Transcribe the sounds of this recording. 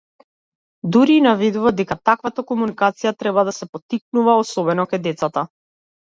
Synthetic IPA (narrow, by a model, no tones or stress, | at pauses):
d̪uɾiːnavid̪uvad̪ɛkat̪akvat̪akɔmunikat̪sijat̪ɾɛbad̪asɛpɔt̪ik̚nuvaɔsɔbɛnɔkajd̪ɛt̪sat̪a